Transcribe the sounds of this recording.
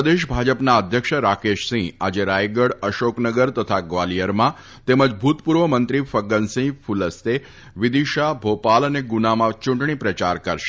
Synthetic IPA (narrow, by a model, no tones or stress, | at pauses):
əd̪eʃbʱad͡ʒəpnaəd̪ʱjəkʃəɾakeʃsĩa̰d͡ʒeɾajɡəɽəʃoknəɡəɾt̪ət̪ʰaɡʋalijəɾmã | t̪eməd͡ʒbʱut̪puɾʋəmənt̪ɾifəɡənsĩfʰuləst̪e | ʋɪd̪iʃabʱopaləneɡunamãt͡ʃũɳʈɳ̃ipɾət͡ʃaɾkəɾʃe̥